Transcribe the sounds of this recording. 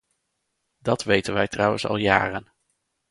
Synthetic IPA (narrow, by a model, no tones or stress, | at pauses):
dɑtʋejtənʋɛjtrʌwə̰nsɑ̰lˠja̰ːrən